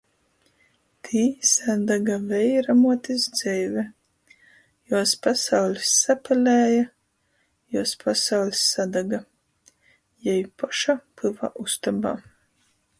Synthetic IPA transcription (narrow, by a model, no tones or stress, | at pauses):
t̪ʰiːsad̪aɡavɛjɾamuɔt̪izd̪z̥ɛjvɛ | juɔspasawlʲisːapɛlʲæːja | juɔspʰasawlʲisːad̪aɡa | jɛjpɔʃapɨva̰ʔust̪aba̰ː